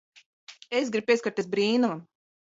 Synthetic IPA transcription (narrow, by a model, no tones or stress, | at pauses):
es̬ɡɾipiɛskaɾt̪es̬bɾiːnua